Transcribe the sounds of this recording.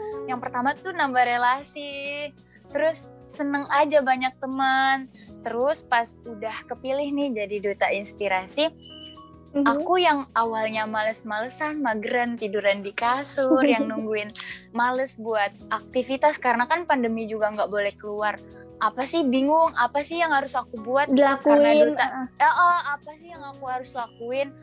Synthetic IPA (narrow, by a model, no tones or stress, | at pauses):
jaŋpərt̪amat̪unambaɾelasi | t̪əɾʊsːənəŋʔad͡ʒabaɲak̚t̪əmən | t̪əɾʊspasudahkəpilɪhnɪhd͡ʒadidot̪ainspiɾasi | akujaŋawalɲamaləsmaləsanmaɡɾant̪iduɾandikasʊrjaŋnuŋɡuɪnmaləsbuat̪̚ak̚t̪ifit̪askaɾənakanpandəmid͡ʒuɡaŋɡaʔbolɛhkəluar | ʔapasɪhbiŋʊŋapasɪhjaŋhaɾʊsakubuat̪̚dilakuaaɪdot̪aəʔəapasɪhjaŋakuhaɾʊslakuɪn